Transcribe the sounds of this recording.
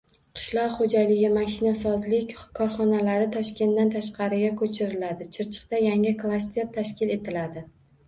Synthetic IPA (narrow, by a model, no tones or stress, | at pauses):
qʰɨ̥ʃlˠɒqχod͡ʒalɪɡʲɪmaʃɪnasɒzlɪkʲkʰɒɾχɒnalaɾɪt̪ʰɒʃkʲe̞nd̪ant̪ʰaʃqʰɑɾɪɡʲakʰɵt͡ʃʰɪɾɪlad̪ɪt͡ʃʰɪɾt͡ʃʰɪ̥q̚t̪ajaŋɪklˠast̪e̞ɾt̪ʰaʃkʲɪle̞t̪ʰɪlad̪ɪ